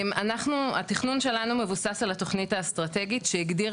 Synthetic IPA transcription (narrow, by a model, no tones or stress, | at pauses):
manaχnua̰tiχnunʃe̞lanume̞vusasalato̞χnitast̪ʁate̞ɡitʃeiɡdi